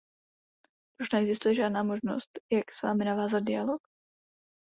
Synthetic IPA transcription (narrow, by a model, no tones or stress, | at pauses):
puʃnɛɛɡzɪst̪ujɛʒaːdnaːmoʒno̰st̪jaksva̰ːmɪnavaːzad̪̚dɪjalok